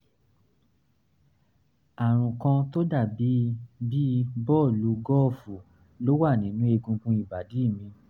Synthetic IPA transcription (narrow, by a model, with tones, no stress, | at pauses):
a˨ɾ̃ũ˨kã˧to˦da˦˨bi˨˦bi˦bɔ˦˨lu˨˦ɡɔ˦˨fu˨ | lo˦wa˦˨nĩ˨˦nũ˦e˧ɡũ˧kũ˦i˦˨ba˨di˨˦˨mĩ˧